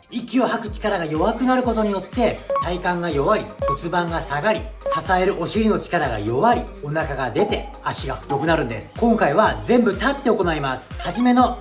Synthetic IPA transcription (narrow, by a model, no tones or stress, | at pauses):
ikʲio̞hakɯ̟̥t͡ɕi̥kaɾaɡajo̞βakɯ̟naɾɯ̟ko̞t̪o̞ɲ̟ijo̞t̪ːe̞t̪aikãŋɡajo̞βaɾʲito̞t͡sɨbãŋɡasaɡaɾʲisasae̞ɾɯ̟ʔo̞ɕiɾʲino̞t͡ɕi̥kaɾaɡa̰jo̞βaɾʲio̞nakaɡad̪e̞t̪e̞ | aɕiɡa̰ɸɯ̟̥t̪o̞kɯ̟naɾɯ̟̃nd̪e̞sɨ̥kõ̞ŋkaiβazẽ̞mbɯ̟t̪at̪ːe̞oko̞naimasɨ̥haʑime̞no̞